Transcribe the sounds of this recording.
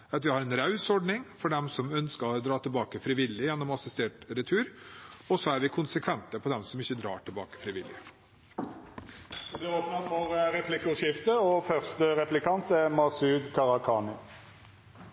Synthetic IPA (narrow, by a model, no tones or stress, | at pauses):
ɑt̪ʋɪhɑːɾɛnɾɑʉsɔɖɳɪŋfɔɖɛmsɔmœnskəɾɔd̪ɾɑːt̪ʰɪlbɑːkəfɾɪːʋɪlːɪjɛnːɔmɑsɪst̪eːʈɾɛt̪ʰʉːɾɔsɔæɾʋɪkʰʊnsəkʰʋɛnt̪əpʰɔd̪ɛmsɔmɪçːəd̪ɾɑ̰ːʈʰɪlbɑːkə̥fɾɪʋɪlːɪ̰ | d̪ɛoːpnɑt̪fɔʁəɾɛpʰlɪkʊʂɪft̪əɔfœʁst̪əɾɛplɪkʰɑnt̪æmɑsʉːd̪kʰɑʁɑkʰɑːnɪ